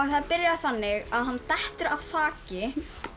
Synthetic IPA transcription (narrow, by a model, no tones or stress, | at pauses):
aɣθaðpɪɾjaθanːɪɣaðɦanːt̪ɛht̪ʏɾavθaːcɪ